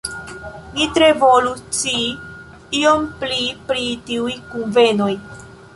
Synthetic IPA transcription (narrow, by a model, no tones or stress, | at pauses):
nitɾevo̞lut͡si | io̞mplipɾitiujkunve̞no̞j